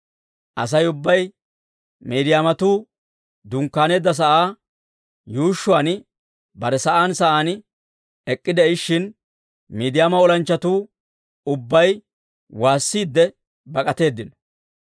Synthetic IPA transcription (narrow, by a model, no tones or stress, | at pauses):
ʔɐ̰s̬ɐjʊbːɐj | meːd̪ɪjaːmɐt̪uː | d̪ʊŋkːaːne̞ːd̪ːɐs̬ɐʔaː | juːʃːʊaːn | bɐɾɛsɐʔaːnsɐʔaːn | ɛkʼːɪd̪ɛɪʃːɪn | miːd̪ɪjaːmɐɔlɐnt͡ʃːɐt̪uː | ʊbːɐj | waːsːiːd̪ːɛ | bɐkʼɐt̪e̞ːd̪ːɪn